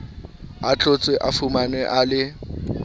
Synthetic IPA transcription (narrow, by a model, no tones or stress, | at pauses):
at͡ɬʼʊt͡sʼwɛʔafumanɛʔalɪ